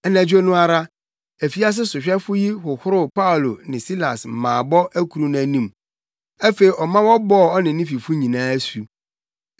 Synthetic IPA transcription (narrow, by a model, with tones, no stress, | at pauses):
ɛ˦næ̃˨d͡ʑᶣo˦nʊ̃˦a˨ɾa˦ | æ˨fi˦a˦s̬ɪ˦sʊ˨ɕᶣɛ˦fʊ˦ji˦hʊ˨hʊ˦ɾʊ˦pa˦ʊ˨lo˨nɪ̃˨si˦la˨s̩˨mãː˨bɔ˦ʔæ˦kʰu˨ɾũ˨˦næ̃˨˦nũ˨m | æ˦fe˨i˨ʔɔ˨mã˦wɔ˦bɔ˦˨ɔ˦nɪ̃˨nɪ̃˦fi˨fʊ˦ɲĩ˨nãː˦su˨